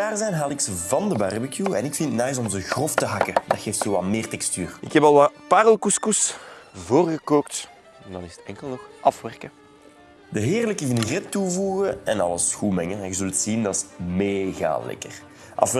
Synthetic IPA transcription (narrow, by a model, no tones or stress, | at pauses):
aːrzɛjnɦaːlɪksəvɑndəbarbəkjuɛnɪkfɪntətnɛjs̬ɔmzəɣrɔftəɦɑkədɑtxeːftsoːɑlˠmeːrtɛkstyːrɪkɦɛpɑlˠʋapaːɾəlˠkuskusvoːrɣəkoːkt | ɛndɑnɪzə̥tɛŋkəlˠnɔxʔɑfʋɛrkə | dəɦɪːrləkəvɪnrɪtːuvuːɣəɛnɑləsxuːmɛŋəɛnɣəzʏlˠtsindɑtsmeɣa̰ːlɛ̰kər | ʔɑ̰f